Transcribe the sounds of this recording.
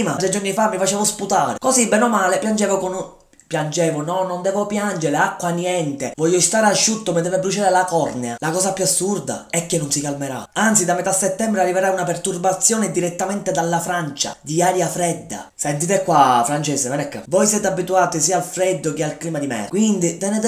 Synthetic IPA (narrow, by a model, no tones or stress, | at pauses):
mat̪ɾed͡ʒornifamːifat͡ʃɛːvosput̪aːɾekosibɛnomaːlepjand͡ʒɛːvokon | pjand͡ʒɛːvonɔnːond̪ɛːvopjand͡ʒeɾeakːwanjɛnt̪evɔʎːost̪aːɾaʃːut̪ːomed̪ɛvebːɾut͡ʃaːɾelakɔrnealakɔːsapjuasːurd̪a̰ɛkːenːonsikalmeɾa̰ant̪sid̪amet̪asːɛt̪ːɛmbɾearːiveɾaunapɛrt̪urbat̪sːjɔːned̪iɾet̪ːamɛnt̪ed̪alːafɾant͡ʃa̰d̪iaːɾjafɾɛd̪ːa̰sɛnt̪it̪ekːwafɾant͡ʃɛːsevɛnɛkːa̰vɔjsjɛːt̪abːit̪uaːt̪is̬iːalfɾɛd̪ːok̟ealkliːmad̪imɛ̰kwind̪it̪ɛnɛt̪